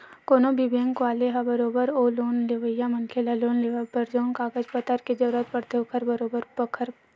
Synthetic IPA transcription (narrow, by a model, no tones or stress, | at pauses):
koːnõbʱibeːŋkaːleɦabɐɾoːbəɾoːloːnleʋəjamɐnkʰelaloːnleʋapəɾd͡ʒoːnkaːɡəd͡ʒpət̪əɾked͡ʒɐɾɾət̪̚pɐɽt̪eɦokʰəɾbɐɾoːbəɾbəkʰəɾ